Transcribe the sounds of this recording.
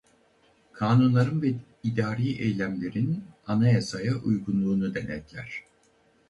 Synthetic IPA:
kʰaːnunlˠaɾɯnvɛ | id̪aːɾijʔejlʲæmlʲe̞ɾinanajasajaʔujɡunlˠuːnud̪ɛnɛ̰t̪lʲæɾ̥

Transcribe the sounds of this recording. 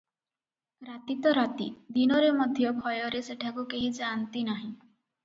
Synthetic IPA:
kɾat̪it̪ɔɾat̪ḭd̪inɔɾemɔd̪ʱjɔbʱɔjɔɾeseʈʰakukeɦid͡ʒant̪inaɦĩ

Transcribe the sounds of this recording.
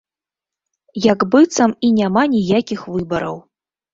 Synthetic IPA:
jaɡbɨt̪sɐminʲamanʲijakʲixvɨbɐɾɐ̰w

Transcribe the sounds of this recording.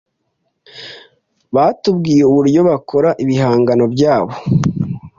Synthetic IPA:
βatubɡiːjeuβuɾɟo̞βakʰo̞ɾaʔiβiɦaːŋɡano̞bɟaːβo̞

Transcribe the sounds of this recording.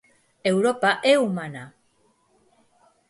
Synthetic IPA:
e̞wɾo̞paʔeumana

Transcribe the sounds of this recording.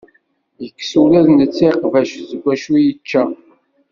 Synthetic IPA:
jəkːsulæðnət͡sːiqvæʃzəɡʷːæʃujət͡ʃːæ

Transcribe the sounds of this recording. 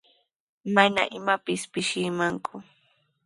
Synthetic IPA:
mana̰ʔɪmapɪspɪʃɪmaŋkʰʊ

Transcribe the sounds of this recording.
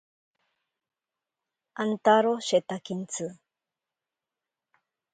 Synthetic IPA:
ʔant̪aɾoʃet̪akint͡sɨ

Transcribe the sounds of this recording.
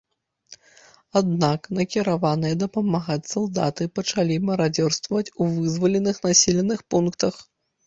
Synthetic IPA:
ad̪naknɐkʲiɾavanɨjɐd̪ɐpɐmaɣat͡sʲsalˠd̪at̪ɨpɐt͡ʂalʲimɐɾad͡zʲɔrst̪vɐvɐt͡sʲuvɨzvɐlʲɛnɨxnasʲilʲɛnɨxpunkt̪ɐx

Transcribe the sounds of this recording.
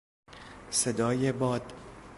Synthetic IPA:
sed̪ɒːjebɒːd̪

